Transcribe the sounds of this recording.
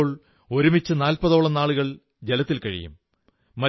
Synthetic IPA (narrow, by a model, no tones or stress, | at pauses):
ɭ | o̞ɾumit͡ɕːɨnaːlpɐðo̞ːɭɐnaːɭuɣɐɭ | d͡ʑelɐt̪ːilkɐɻḭjṵmː | ɐ